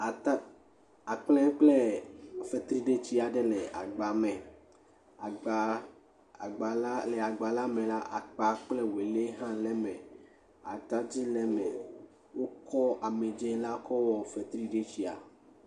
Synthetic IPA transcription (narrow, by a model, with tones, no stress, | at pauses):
a˨t | a˨k͡plɛ̃˦k͡plɛ˦fɛ˨t̪ɾi˦ɖe˦t͡ɕi˦a˨ɖe˦lɛ˨a̰˨ɡ͡ba˨mɛ̃˨ | a˨ɡ͡ba˨ | ɡ͡ba˨llɛ˨a˨ɡ͡ba˨la˦mẽ˨la˦ʔa̰˨k͡pa˨k͡plɛ˦we˨le˦ɦã˦lɛ˦mɛ̃˨ | a̰˨t̪a˦d͡ʑi˦lɛ˦mɛ̃˨ | wo˦kɔ˦ʔa˨me˨d͡ʒe˦la˦kʰɔ˦wɔ˨fɛ˨t̪ɾi˦ɖe˦t͡ɕi˦a̰˨